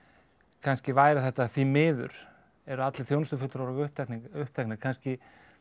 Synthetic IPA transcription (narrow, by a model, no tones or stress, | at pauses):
kʰanscɪvaːjɾaθɛht̪aːðθimɪːðʏ̰ɾ̥ | ɛɾʏat̪lɪθjownst̪ʏfʏt̪ɾawɾaɣʏht̪akniʏhp̚t̪ʰaknɪkʰanscɪ